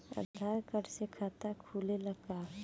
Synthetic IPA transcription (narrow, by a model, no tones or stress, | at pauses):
ə̰d̪ʱaɾkəɾsekʰaːt̪akʰuːleləɡa